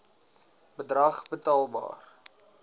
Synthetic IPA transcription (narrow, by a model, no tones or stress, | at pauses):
bədrɐχbətɑːlˠbɑ̰ːr